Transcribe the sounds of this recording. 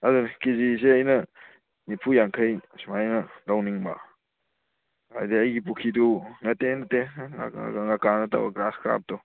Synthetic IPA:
ɐdunkiziseɐjnɐ | nipʰujaŋkʰɐjsumajnɐdawniŋba̰ | a̰jdiɐjɡip̬ukʰidunɐtːenɐtːea̰ŋakanɐta̰wɐ̰ɡɾaskʰɾa̰p̚dɔ

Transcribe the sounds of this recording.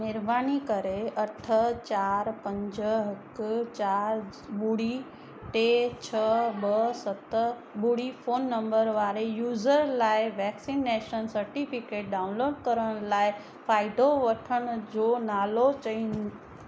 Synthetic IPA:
nɪɾbaːnikəɾeɐʈʰət͡ʃaːɾpə̃ɲd͡ʒɦɐkt͡ʃaːɾ | buɽi | ʈet͡ʃʰəbəsət̪ə | buɽipʰoːnːə̃mbəɾʋaːɾejuːzəɾlaːeʋɛːksinːeːʃənsəɾʈipʰikeːʈ̚ɖaːʊ̃nloːɖkəɾəɽ̃laːe | pʰaːɪd̪ʱoʋəʈʰəɽ̃d͡ʒoːnaːlot͡ʃəin

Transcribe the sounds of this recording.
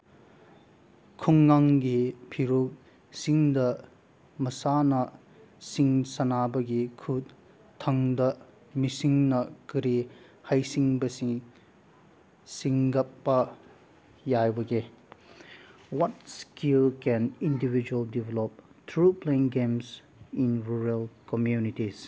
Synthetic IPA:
kʰuŋːaŋɡipʰiɾuk̚ | siŋdɐ | mɐsanɐ | siŋsɐnabɐɡikʰut | tʰːɐŋdɐ | misiŋnɐkɯɾihajsiŋbɐsiŋ | siŋɡɐpːɐ | jajbɐɡe | wɔt̚skilkɛ̃nindibid͡ʒuɐldivelɔp̚tʰɾupleĩŋɡems | inɾuɾɐlkomjunitiz

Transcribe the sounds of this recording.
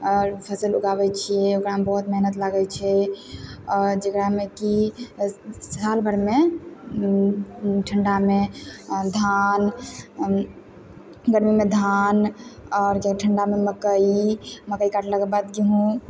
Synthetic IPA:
ɾpʰəsəluɡaβɛt͡ʃʰijɛokɾambəɦut̪meɦnət̪laɡɛt͡ʃʰɛ | ɔɾd͡ʒəkɾameki | salbʱəɾme | ʈʰəɳɖamed̪ʱan | ɡəɾmimed̪ʱanɔɾkeʈʰəɳɖameməkəiməkəikaʈləɡəbad̪ɡeɦũ

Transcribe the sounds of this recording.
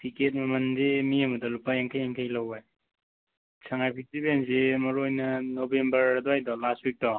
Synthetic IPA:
pʰiket̚mɐmɐndemiɐmɐdɐlupːajaŋkʰajaŋkʰajlawaj | sʰaŋajpʰik̚tibensemɐɾojnɐnobembɐɾdɔajdɔlastwik̚tɔ

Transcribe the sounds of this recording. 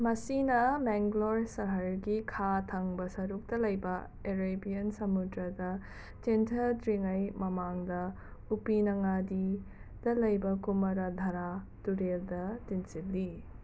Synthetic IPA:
mɐsinɐmeŋɡloɾsɐɦɐɾɡikʰatʰɐŋbɐsɐɾuk̚tɐlɐjbɐ | eɾebijɐnsɐmudɾɐdɐ | t͡ʃentʰɐtɾiŋɐjmɐmaŋdɐ | upinɐŋadid̥ɐlɐjbɐkumɐɾɐdʱɐɾa | tuɾeldɐtinsip̚li

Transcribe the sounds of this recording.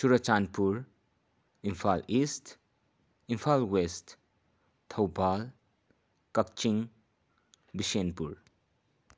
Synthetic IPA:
suɾɐt͡ʃanpuɾ | impʰalist | impʰalwest | tʰɐwbal | kɐk̚t͡ʃiŋ | bisenpuɾ

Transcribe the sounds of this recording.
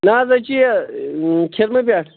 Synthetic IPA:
naːzɐt͡ɕi | kʰeɾmɐp̬ʲjaːʈʰ

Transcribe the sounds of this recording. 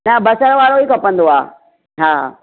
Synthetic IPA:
nɐbɐsəɾʋaːɾoikɐpɐ̃nd̪oa̰ː | ɦaːɦa̰ː

